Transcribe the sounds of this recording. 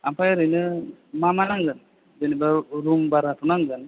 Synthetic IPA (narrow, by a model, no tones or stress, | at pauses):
ampʰajɾɯjnɯmamanaŋɡɯn | dɯnibaɾumbaɾatʰunaŋɡɯn